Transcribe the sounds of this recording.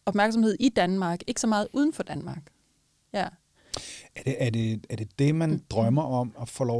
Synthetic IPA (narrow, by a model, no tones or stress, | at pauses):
ɒb̥mæɐɡ̥s̬ɒmhe̝ð̞̰ˠid̥ænmɑ̈ːɡ̥e̝ɡ̥əsɒ̽mɑ̈ːð̩ˠʔuːð̞ˠn̩fɒ̽d̥ænmɑ̈ːɡ̥ | jæ | æɐd̥eːɐde̝æɐd̥e̝d̥e̝mænd̥ʁɶmɐʔɒ̽mɒfɒːlɒʊ